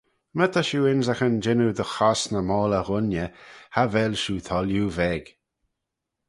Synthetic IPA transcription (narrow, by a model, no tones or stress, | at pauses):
mət̪ʰaʃuɪnzaxənd͡ʒɪnud̪əxɔsnəmɔːləɣʊnjəhavɛlʃuːt̪ʰɔljuvɛɡ̥